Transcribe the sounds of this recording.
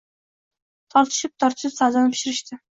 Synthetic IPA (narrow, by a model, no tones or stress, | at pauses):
t̪ʰɒɾt̪ʰɪ̥ʃɪp̚t̪ʰɒɾt̪ʰɪ̥ʃɪpsad̪anɪpʰɪ̥ʃɪɾɪʃt̪ʰɪ